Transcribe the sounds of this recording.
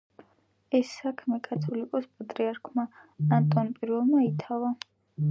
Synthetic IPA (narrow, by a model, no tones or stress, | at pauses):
ɛsːakʰmɛkʼat̪ʰɔlikʼɔspʼat̪ʼɾiaɾkʰmaant̪ʼɔnpʼiɾvɛlˠmait̪ʰava